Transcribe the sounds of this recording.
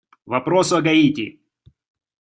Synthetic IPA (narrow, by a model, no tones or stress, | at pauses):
vɐpɾosʊɐɡɐitʲɪ̰